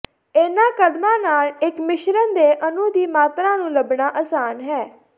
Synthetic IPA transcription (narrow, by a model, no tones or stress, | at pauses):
eːnãːkəd̪mãːnaːlɪkmɪʃɾənd̪eːʔənũːd̪iːmaːt̪ɾãːnũːləbɳaːʔəsaːnɦɛː